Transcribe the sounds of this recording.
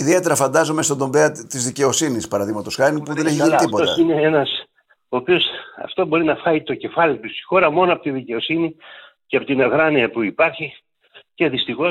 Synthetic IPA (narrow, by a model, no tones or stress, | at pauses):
iðie̞t̪e̞ɾɐfɐnd̪ɐzo̞mest̪o̞d̪o̞mbe̞ɐt̪izðice̞o̞sinispɐɾɐðiɣmɐt̪o̞sxɐɾnipuðe̞neçiʝinit̪ipo̞ot̪ɐ̰ineenɐs | oːpio̞sɐ̰ft̪obo̞ɾinɐfxɐit̪o̞ce̞fɐlit̪ust̪i̥xo̞ɾɐmo̞noɐpot̪iðice̞o̞sini | ceɐpot̪inɐɣɾɐniɐpuipɐɾçi | ce̞ðist̪ixo̞